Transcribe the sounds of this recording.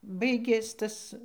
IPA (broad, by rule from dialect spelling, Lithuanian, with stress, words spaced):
ˈbɐɪɡʲeːs ˈtɐs